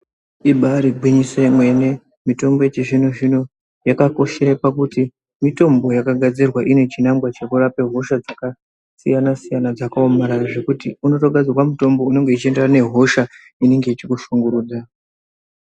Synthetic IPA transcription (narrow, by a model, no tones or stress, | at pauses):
iɓaɾiɡʱwiɲisemwe̞ne̞ | mito̞mbo̞et͡ʃeʐinoʐino | jakako̞ʃeɾepakuti | mito̞mbo̞jakaɡʱad͡zirwaʔine̞t͡ʃinaŋɡwat͡ʃe̞kurape̞ɦo̞ʃad͡zaka | sḭjanasijanad͡zakaomaɾaʐe̞kutiuno̞to̞ɡʱad͡zirwamuto̞mbo̞une̞ŋɡeit͡ʃie̞nderane̞ɦo̞ʃa | ine̞ŋɡe̞it͡ʃikuʃuŋɡuɾuːd͡za